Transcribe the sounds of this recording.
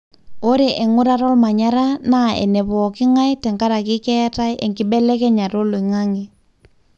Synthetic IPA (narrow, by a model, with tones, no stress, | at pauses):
o˦ɾe˨ʔe˨ŋu˦ɾa˦ɾɔ˦lma˨ɲa˦ɾa˦na˦ḛ˨ne˨βɔ˨ki˦ŋa˦jtɛ˨ŋka˦ɾa˨ki˦kɛ˦ta˦jʔe˨ŋki˦bɛ˦lɛ˦kɛ˦ɲa˨ɾo˦lo˨ŋa˦ŋi˨